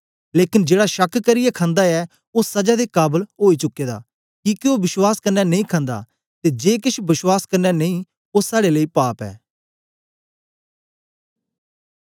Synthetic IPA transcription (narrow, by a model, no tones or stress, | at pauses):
leːkɪnd͡ʒeːɽaːʃəkʰkəɾɪjɛkʰãːnd̪aɛː | osɐd͡ʒaːd̪eːkaːbəlɦoːit͡ʃʊkːeːd̪a̰ː | kiːkioːbɪswaːskɐɾnɛnɐĩːkʰãːnd̪a̰ː | t̪eːd͡ʒeːkɪʃbɪswaːskɐɾnɛneĩː | osaːɽeləiːpaːpɛ̰ː